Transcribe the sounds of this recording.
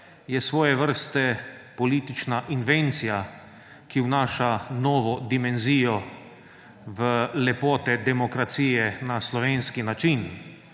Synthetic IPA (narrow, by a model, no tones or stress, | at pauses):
jɛsʋɔːjɛʋəɾst̪ɛpɔliːt̪it͡ʃnaʔinʋent̪sija | kiwnaːʃanɔːʋɔd̪imɛnziːjɔ | ʋəlɛpɔːt̪ɛd̪ɛmɔkɾat̪siːjɛnaslɔʋeːnskinat͡ʃin